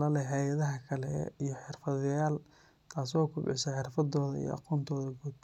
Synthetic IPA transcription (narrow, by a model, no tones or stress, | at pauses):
lɐlɛɦɛjɐðɐɦɐkʰɐlɛ̰ijɞħɪrfɐðjaːl | t̪ʰaːsɔːkʰʊbʕɪsɐħɪrfɐd̪ɔːðɐḭjɔ̰ʔɑ̰qɔːnt̪ʰɔːðɐɡuːd̪̚